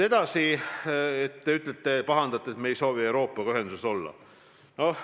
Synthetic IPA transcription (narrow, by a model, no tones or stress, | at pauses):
e̞d̪̥ɑsi | et̪ːeyt̪ːˑlet̪ːˑepɑɦɑnd̪̥ɑt̪ːˑeet̪me̞ːjso̞ːviewɾo̞ːpːˑɑɡɑyɦend̪useso̞lːɑ̰ | no